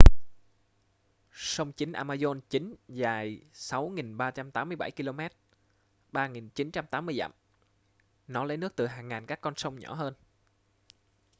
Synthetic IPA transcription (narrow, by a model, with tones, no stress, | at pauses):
sə˧wŋ͡mt͡ɕï˨˦ŋ̟ʔaː˧maː˧zo˧nt͡ɕi˨˦ŋ̟zaː˨˩jsa˨˦wŋi˨˩nɓaː˧t͡ɕa˧mt̪aː˨˦mːɨ˧əjɓa˧˩jki˧lo˧mɛ˦˥t̚ | ɓaː˧ŋi˨˩nt͡ɕi˨˦nt͡ɕa˧mt̪aː˨˦mːɨ˧əjza̰˧˨m | nɔ˨˦lə˨˦jnɨ˦˥ək̚t̪ɨ˨˩ɦaː˨˩ŋːaː˨˩nkaː˦˥kːɔ˧nsə˧wŋ͡mɲɔ̰˧˩ɦəː˧n